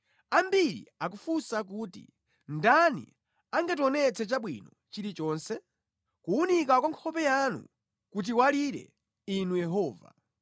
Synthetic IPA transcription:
ambiɾḭakufusak̬uːtḭ | ndanḭ | aŋɡat̬ɔnɛt͡sɛt͡ʃaɓwḭnɔ | t͡ʃiɾit͡ʃɔːnsɛ | kuunik̬akwaŋkʰɔpɛjanṵ | kut̬iwaliɾɛ̰ | inujɛɦɔːva̰

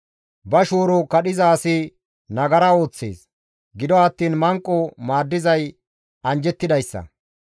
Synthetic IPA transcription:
bɐʃoːɾɔkɐɗɪzaːsɪ | nɐɡɐɾɐo̞ːt͡sːḛːs | ɡɪd̪ɔɐt̪ːiːnmɐŋkʼːɔmaːd̪ːɪzɐj | ɐnd͡ʒɛt̪ːɪd̪ɐjsːɐ̰

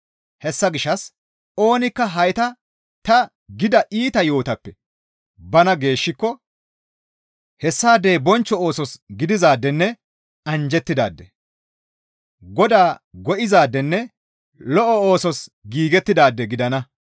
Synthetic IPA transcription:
hɛsːɐɡɪʃːɐs | o̞ːnɪkːɐɦɐjt̪ɐ | t̪ɐ | ɡɪd̪ɐʔiːt̪ɐjo̞ːt̪ɐpːɛ | bɐnɐɡe̞ːʃːɪkːɔ | hɛsːaːd̪ːeːbɔnt͡ʃːɔoːsɔsɡɪd̪ɪzaːd̪ːɛnːɛ | ɐnd͡ʒɛt̪ːɪd̪a̰ːd̪ːɛ | ɡɔd̪aːɡɔʔɪzaːd̪ːɛnːɛ | lɔʔɔoːsɔsɡiːɡɛt̪ːɪd̪aːd̪ːɛɡɪd̪ɐnɐ

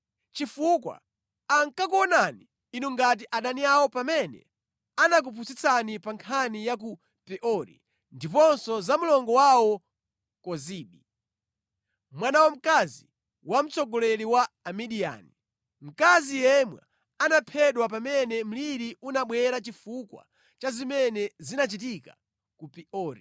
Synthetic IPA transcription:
t͡ʃifukwa̰ː | ŋkak̬uɔnaniː | nuŋɡat̬iʔaɗaniawɔpamɛnɛ̰ | anak̬upʰusit͡sanipaŋkʰanijak̬u | pɛʔɔɾḭ | ndipɔnsɔzamulɔŋɡɔwawɔ | kɔziːɓi | mwanawɔm̩kazi | wam̩t͡sɔɡɔlɛɾiwaːmiɗia̰ni | m̩kazijɛmwɛ̰ | anapʰɛɗwapamɛnɛm̩liɾiunaɓwɛɾat͡ʃifukwa̰ | t͡ʃazimɛnɛzinat͡ʃit̬ika | kupiɔːɾḭ

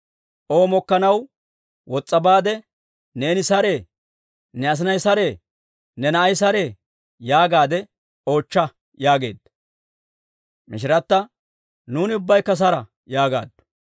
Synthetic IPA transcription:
ʔo̞ːmɔkːɐnɐw | wɔt͡sʼːɐbaːd̪ɛ | ne̞ːnɪsɐɾe̞ː | nɛɐs̬ɪnɐjsɐɾe̞ː | nɛnɐːjsɐɾe̞ː | jaːɡaːd̪ɛ | o̞ːt͡ʃːɐ | jaːɡe̞̰ːd̪ː | mɪʃɪɾɐt̪ːɐ | nuːnɪʊbːɐjkːɐs̬ɐɾɐ | jaːɡa̰ːd̪ːʊ̥

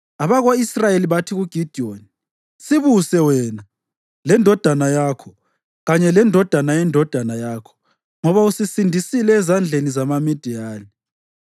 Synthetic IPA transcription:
aβaɣwaisrajeliβatʰiɣuɡ̥ʱid̥ʱioni | siβusɛwɛːna | lɛndʱɔd̥ʱanajaːkʰɔ | ɣaɲɛlɛndʱɔd̥ʱanajɛndʱɔd̥ʱanajakʰɔ̥ | ŋɔβausisindʱisilɛːzand͡ɮʱenizamamid̥ʱijaːni

